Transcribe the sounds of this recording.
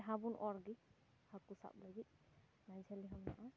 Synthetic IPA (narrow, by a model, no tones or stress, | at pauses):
ɦabunʔɔɹɡi | hakusa̰p̚laɡit̪̚ | nazaliɦamna̰ʔa